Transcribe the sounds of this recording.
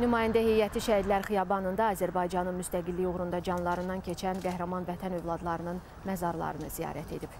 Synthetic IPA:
nymɑːjænd̪æhejæt̪ʰiʃæhiɾlæɾχijɑbɑnɯnd̪ɑːzæɾbɑjd͡ʒɑnɯnmyst̪æɡilːijoɣɾund̪ɑd͡ʒɑnlˠɑɾɯnd̪ɑncʰe̞t͡ʃʰænɡæhɾæmɑnvæt̪ʰænøvlˠɑd̪lˠɑɾɯnɯn | mæzɑɾlˠɑ̰ɾɯnɯzijɑ̰ːɾæt̪ʰe̞̰d̪ib̥

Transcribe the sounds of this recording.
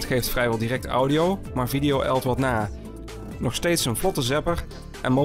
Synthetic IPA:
txejftfrɛjʋɛlˠdiːrɛk̚tʌ̰wdiow | maːɹvidijowʔɛ̰lˠtʋɑtnaː | nɔχstejtsənvlɔtəzɛpəɹ | ʔɛ̰nmo

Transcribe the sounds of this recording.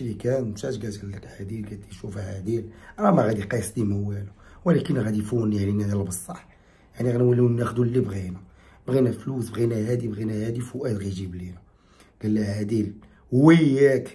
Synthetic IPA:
ɾikænt̪æʃɡæt̪ɡəlːəkʕæd̪ilɡæt̪i̥ʃufhæd̪ilʔæɾɑmæɣæd̪iqɑjsˤd̪iməwæluwlækənɣæd̪ifunjaʕninæd̪ælbəsˤːɑħ | jaʕniɣænæwəlːinːæxd̪ulːibɣinæ | bɣinæflusbɣinæhæd̪ibɣinæhæd̪ifʊʔæt̪ɣiʒiblinæ | ɡ̥əlːæhæd̪il | hwəjːæk

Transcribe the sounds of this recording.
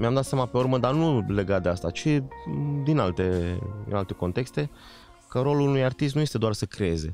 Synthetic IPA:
meamd̪at̪sjamape̞urməd̪anule̞ɡat̪̚d̪east̪at͡ʃid̪inalt̪e̞ɨ̰nalt̪e̞ko̞nt̪e̞kst̪e̞ | kəɾo̞luunujart̪ist̪nujest̪e̞d̪oarsəkɾeeze̞̰

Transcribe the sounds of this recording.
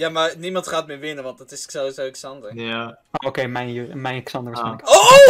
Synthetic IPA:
jaːmaːɹnimɑntχaːtmɪːɹʋɪnənʋɑntdɑtɪsksɛlˠizoɛksɑndəɹ | ookejmɛjnomɛjnksɑndəʋasχɛjnləkoo

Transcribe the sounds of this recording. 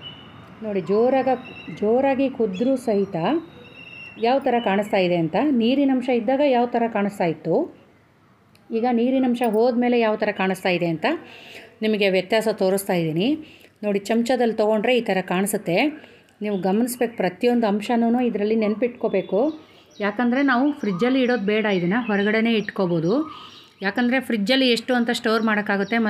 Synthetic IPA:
no̞ːɽid͡ʒoːɾaːɡɐd͡ʒoːɾaːɡikʰud̪ɾusɐɦit̪ɐ | jaːʋt̪ɐɾɐkaːɳɨst̪aːjid̪e̞ɐnt̪ɐniːɾinɐmʃɐid̪ːaːɡɐjaːʋt̪ɐɾɐkaːɳɨst̪aːjit̪ːu | iːɡɐniːɾinɐmʂɐɦoːd̪me̞ːle̞jaːʋt̪ʰɐɾɐkaːɳɨst̪aːjid̪e̞ɐnt̪ɐnimɐɡe̞ʋjɐt̪jaːsɐt̪o̞ːɾust̪aːjid̪iːnino̞ːɽit͡ʃɐmt͡ʃɐd̪ɐlːt̪ɐɡo̞ɳɖɾe̞iːt̪ʰɐɾɐkaːɳsut̪ːe̞ | niːʋuɡɐmɐnisbe̞ːku̥pɾɐt̪ijo̞nd̪uɐmʂɐnuːnuːid̪ɐɾɐlːine̞nɐpiʈko̞ːbe̞ːku | jaːkɐnd̪ɐɾe̞naːʋupʰɾid͡ʒɐlːiːɽo̞ːd̪bɛːɽɐid̪ɐnːɐɦɔɾɐɡɐɽe̞ne̞ːiʈkoboːd̪u | jaːkɐnd̪ɐɾe̞pʰɾid͡ʒːɐlːieʂʈuɐnt̪ɐʂʈoːɾmaːɽɐkːaːɡut̪ːe̞mɐ

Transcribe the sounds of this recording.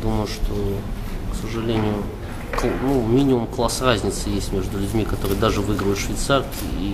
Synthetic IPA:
d̪uməjʊʂt̪ʰo | ksəʐɨlʲenʲɪjʊ | knumʲinʲɪmʊmklˠasrazʲnʲɪt̪sɨjesʲtʲmʲe̞ʐd̪ʊlʲʊdʲmʲikɐt̪o̞ɾɨjd̪aʐɨvɨɡɾəjʊt̪ʂvʲɪjt̪sarʲkʲɪ̰i

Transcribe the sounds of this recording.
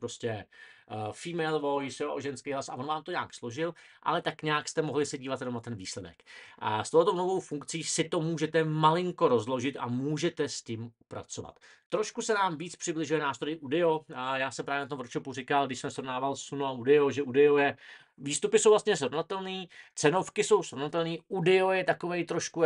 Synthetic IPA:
pɾoscɛ | fiːmɛlvojsjoʔoʒɛnskejɦlasa̰vonvaːmt̪oɲaːkslo̞ʒɪlʔa̰lɛt̪akɲaːkst̪ɛmoɦlɪsɛɟiːvat̪jɛnomnat̪ɛnviːslɛdɛ̰kst̪owlɛt̪ownovo̞wfuŋkt͡siːsɪt̪o̞muːʒɛt̪ɛmalɪŋko̞ɾo̞zlo̞ʒɪt̪a̰muːʒɛt̪ɛscimupɾa̰t͡so̞va̰t̪ː | ɾo̞ʃkusɛnaːmviːt͡spr̥ɪblɪʒujɛnaːst̪ɾojɪʔudɛojaːsɛmpɾaːvjɛnat̪omvɾot͡ʃopurɪkalɡdɪʃsɛmsɾo̞vnaːvalsunuaudɛoʒɛʔudɛojɛ | viːst̪upɪso̞wvlast̪ɲɛsɾovnat̪ɛlniːt͡sɛno̞fkɪso̞wsɾo̞vnat̪ɛlniːʔudɛojɛt̪ako̞vɛjt̪ɾoʃku

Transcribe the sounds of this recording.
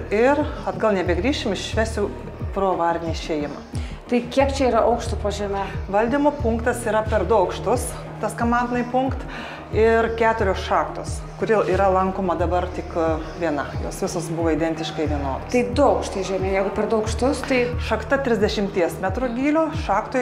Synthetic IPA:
ɪrɐd̪ɡɐlˠnʲɛbʲɛɡɾʲiːʃʲɪmɪʃʃʲʋʲæːsʲʊ | pɾoːʋɑːɾʲɪnʲiɪʃʲeːjɪmɐ̰ | t̪ɐɪkʲiɛpt͡ʃʲɛiːɾɐʔɐʊkʃt̪ʊpoːʒʲiɛmɐʋɐlʲd̪ʲimoːpʊŋkt̪ɐsiːɾɐpʲɛrd̪ʊɐʊkʃt̪ʊs | t̪ɐskɐmɑːnd̪nɐɪpʊŋkt̪ | ɪɾkʲæːt̪ʊɾʲoːsʃɑːkt̪oːs | kʊɾʲɪiːɾɐlˠɐŋkoːmɐd̪ɐbɐrt̪ʲɪkʋʲiɛnɐjo̰ːsʋʲɪsosbʊʋoːɪd̪ʲɛnʲt̪ʲɪʃkɐɪʋʲiɛnoːd̪oːsɐɪd̪ʊɐʊkʃt̪oʒʲɛmʲeːjɛɪɡʊpʲɛrd̪ʊɐʊkʃt̪ʊst̪ɐɪʃɐkt̪ɐt̪ʲɾʲɪzʲd̪ʲɛʃʲɪmʲt̪ʲiɛsmʲæt̪ɾʊɡʲiːlʲoːʃɑːkt̪o

